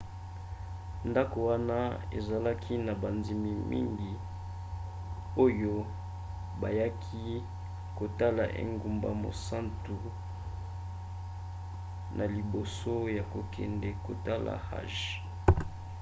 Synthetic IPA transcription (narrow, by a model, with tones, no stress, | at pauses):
nda˦ko˨wa˦na˦ḛ˨za˨la˦kʰi˦na˨ba˨nzi˨mi˨mʔḭ˦ŋɡi˨ | o˦jo˦ | ba˨ja˦kʰi˦ | ko˨ta˦la̰˨ʔḛ˨ŋɡu˦mba̰˦mo̰˨sa˦ntu˨ | nʔa˨li˨bo˨so˦ja˨ko˨kʰɛ˨ndɛ˨ko˨ta˦la̰˨ha̰˦˨ʒ